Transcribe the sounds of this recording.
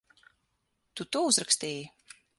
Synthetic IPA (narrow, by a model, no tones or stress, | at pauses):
t̪ut̪uɔuzɾakst̪iːji